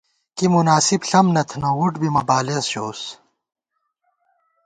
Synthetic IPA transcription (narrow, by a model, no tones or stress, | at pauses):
kimunaːsibɬɐmnɐt̪ʰnowuʈbimɐbaːlesɕoːs